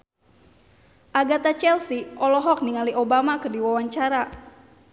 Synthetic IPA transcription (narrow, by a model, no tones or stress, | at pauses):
ʔaɡat̪at͡ʃɛlsiʔɔlɔɦɔk̚niŋaliʔobamakɨrdiwawaɲt͡ʃaɾa